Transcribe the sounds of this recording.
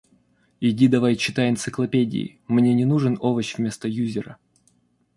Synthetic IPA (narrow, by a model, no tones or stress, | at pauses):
ɪdʲid̪ɐvajt͡ɕːɪt̪ajɪnt̪sɨklˠɐpʲedʲɪ̰ɪ̰ | mnʲenʲɪnuʐɨnovəɕvʲmʲe̞st̪əjuzʲɪɾə̰